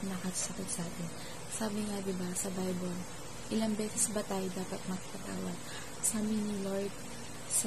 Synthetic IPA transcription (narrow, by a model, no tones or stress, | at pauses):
nɐkɐsɐkɪt̪̚sɐʔaːt̪ɛn | saːbɪŋɐd̪ɪbasɐbajbol | ʔɪlɐŋbɛːsɛsbɐt̪aːʔjɪd̪aːpɐt̪̚mɐkpɐt̪a̰ːwɐɡ̚ | saːbɪnɪloɹd̪̚ | s